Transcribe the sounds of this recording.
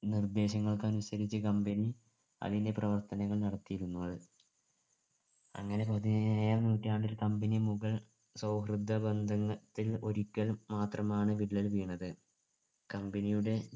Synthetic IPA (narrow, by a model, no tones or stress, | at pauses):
nird̪e̞ːɕɐŋːɐɭkɨɐnusɐɾit͡ɕːɨkɐmbeni | ɐ̰ðinde̞prɐʋɐrt̪ɐnɐɣɐɭnɐɽɐt̪ːijiɾunːuʋɐðɨ | ɐ̰ŋːɐne̞poðinaːjaːlnuːtːaːɳoɾukɐmbɐnimuɣɐɭ | sɐwɦrɨd̪ʱːɐbend̪ʱɐŋːɐt̪ːilo̞ɾukʲːɐlmaːt̪rɐmaːɳɨʋiɭːɐlʋiːɳːɐðɨ | kɐmbenijuɽe̞